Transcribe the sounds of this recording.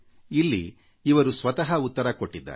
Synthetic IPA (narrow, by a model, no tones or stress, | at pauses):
ilːi | iʋɐɾusʋɐt̪ɐɦɐut̪ːɐɾɐkoʈːid̪ːɐ̰